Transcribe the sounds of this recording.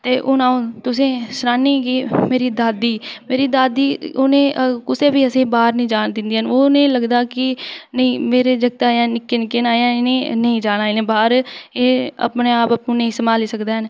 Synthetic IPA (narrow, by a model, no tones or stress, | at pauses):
t̪eːʔʊnaːõt̪ʊsẽːsɾaːniːɡiːmeːɾiːd̪aːd̪iːmeːɾiːd̪aːd̪iːonẽːkʊseːbiːəsẽːbaːɾnĩːd͡ʒaːnd̪ɪnd̪iːənoːnẽːləɡd̪aːkɪnəĩːmeːɾeːd͡ʒəɡt̪aːjãːnɪkːeːnɪkːeːnaːãːnẽːnəĩːd͡ʒaːnaːinẽːbaːɾeːə̰pneːaːpəpnõːnəĩːsəmaːliːsəkd̪eːɦən